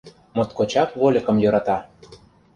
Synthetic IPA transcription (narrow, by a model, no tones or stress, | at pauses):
mot̪kot͡ɕɑkβolʲə̆kɤ̆mjøɾɑt̪ɑ